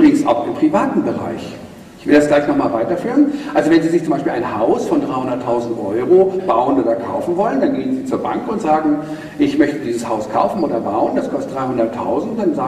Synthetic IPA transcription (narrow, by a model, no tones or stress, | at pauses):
ʔʁɪɡŋ̩sʔa̰ʊxɪmpʁ̥ivaːtn̩bəʁa̰ɪç | ʔɪçv̥ɪldasɡ̥laɪçnɔχmaːlvaɪtɐfyːʁənʔalzovɛnziːzɪçt͡sʊmaɪʃpilʔa̰ɪnhaʊsfɔndʁaɪhʊndɐtʰːaʊzn̩tʔɔʏʁob̥aʊənoːdɐkʰa̰ʊfn̩vɔləndanɡeːənziːt͡suːɐba̰ŋkʊntz̥aːɡŋ̩ | ʔɪçmœçtədiːzəshaʊskʰa̰ʊfn̩oːdɐba̰ʊənd̥askʰɔstəd̥ʁaɪhʊndɐtʰːa̰ʊzn̩t̚d̥anzaː